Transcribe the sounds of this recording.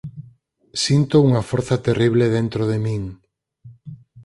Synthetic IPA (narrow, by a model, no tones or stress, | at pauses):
sint̪ouŋɐfoɾθɐt̪eriβ̞leðent̪ɾoðemĩŋ